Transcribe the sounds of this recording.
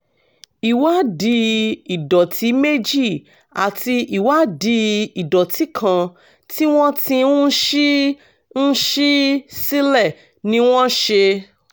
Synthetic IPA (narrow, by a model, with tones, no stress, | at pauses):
i˨wa˦di˧˦i˨dɔ˨tʰi˨˦me˦d͡ʒi˦˨ | a̰˨ti˧i˨wa˨˦di˧˦i˨dɔ˨ti˨˦kʰã˧ | ti˦w̃ɔ̃˦tĩ˧ũ˦ʃi˦ | n̩˦ʃi˦si˦lɛ˦˨ | nĩ˨˦w̃ɔ̃˦ʃe˧